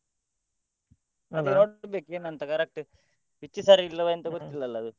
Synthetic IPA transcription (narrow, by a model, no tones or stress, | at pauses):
ɐd̪inoːbekenɐnt̪ɐkɐɾek̚ʈ | ʋit͡ʃːisaɾiilːɐʋɐjɐnt̪ɐkuɾt̪ːilːɐlːɐd̪u